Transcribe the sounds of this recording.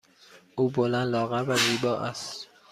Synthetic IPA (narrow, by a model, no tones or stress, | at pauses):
ʔuːbolænd̪lɒːɣævæziːbɒːʔæst̪